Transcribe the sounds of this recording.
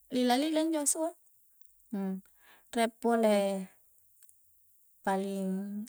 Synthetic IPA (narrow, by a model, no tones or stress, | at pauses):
lilalilaɲd͡ʒosua | rɛpːolɛ | paliŋ